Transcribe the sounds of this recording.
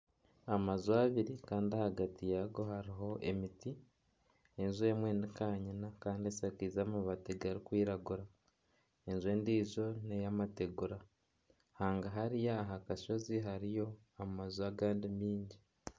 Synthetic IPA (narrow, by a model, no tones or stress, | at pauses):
amazuaβiɾikaːndiahaɡatijaɡo̞haɾiɦo̞ʔe̞̰miti | enzue̞ːmwe̞nikaːɲinakaːndiesakiːzaːmuβateɡaɾikwiːɾaɡuɾa | enzwe̞ːndiːzo̞nejamate̞ɡuɾa | haːŋɡaɦaɾijaːɦakaʃo̞ziɦaɾijo̞ | amazuaɡaːndimiːɲɟi